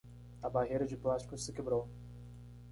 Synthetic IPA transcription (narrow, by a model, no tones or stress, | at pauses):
ɐbaɦejɾɐd͡ʒɪplast͡ʃi̥kʊssɪkebɾow